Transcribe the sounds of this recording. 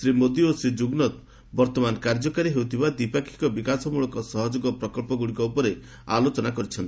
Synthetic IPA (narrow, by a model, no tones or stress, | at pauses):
sɾimod̪iosɾid͡ʒuɡnɔt̪ | bɔɾt̪ɔmankaɾd͡ʒɔkaɾiɦewt̪ʰibad̪ipakʰi̥kɔbikasɔmuɭɔkɔsɔɦɔd͡ʒoɡɔpɾɔkɔlpɔɡuɽikɔupɔɾe | a̰lot͡ʃɔnakɔɾit͡ʃʰɔnt̪i̥